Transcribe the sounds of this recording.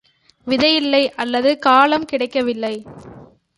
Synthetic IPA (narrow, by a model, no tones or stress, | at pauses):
ʋɪðɐjɪlːɐɪʔɐlːɐðɯkaːlɐmkɪɽɐɪkːɐʋɪlːɐɪ